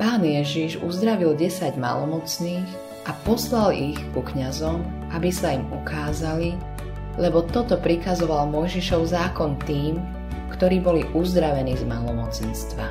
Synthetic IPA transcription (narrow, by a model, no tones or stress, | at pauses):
paːnjɛʒiʒṵzd̪ɾaʋilɟɛsaɟma̰lɔmɔt͡sniːɣ | ʔapɔslalixkukɲazɔm | ʔabisaimukaːzali | lɛbɔt̪ɔt̪ɔpɾikazɔʋalmɔjʒiʃɔʊzaːkɔnt̪iːm | kt̪ɔɾiːbɔliʔuzd̪ɾaʋɛniːzmalɔmɔt͡sɛnst̪ʋa